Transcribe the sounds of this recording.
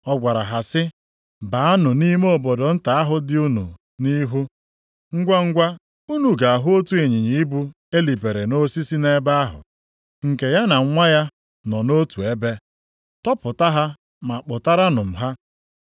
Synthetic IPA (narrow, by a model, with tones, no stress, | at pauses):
ɔ˦ɡʷa˨ɾa˨ɦa˨sɪ˦ | ba˨a˦nʊ˨ni˦m˦o˦bo˨do˨n̩˦ta˨a˦ɦʊ˦dɪ˦u˦nṵ˨ | ni˦ɦu˦ | ŋ̩˦ɡʷa˦ŋ̩˦ɡʷa˦ | u˦nu˨ɡa˨a˨ɦʊ˦o˦tu˦e˨ɲi˨ɲi˨i˦bu˦ | e˦li˨pe˨ɾe˨no˦si˦si˦ne˦ba˦a˦ɦʊ̰˨ | ŋ̩˨ke˨ja˦na˨ŋ̩˦ŋʷa˦ja˦ | nɔ˨no˦tu˨e˦be˦ | tɔ˦pʊ˨ta˦ɦa˦ | ma˨k͡pʊ˨ta˦ɾa˦nʊ˨m̩˨ɦa˦